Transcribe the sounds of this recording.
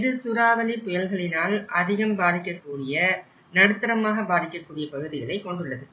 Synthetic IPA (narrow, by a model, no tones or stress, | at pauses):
ɪðɯsʊɾaːʋɐlipːʊjɐlɣɐɭɪnaːlʔɐðɪɣɐmbaːðɪkːɐkːuːɽɪjɐ | nɐɽɯt̪ːɐɾɐmaːɣɐbaːðɪkːɐkːuːɽɪjɐpɐɣɯðɪɣɐɭɐɪkːɔɳɖɯɭːɐðɯ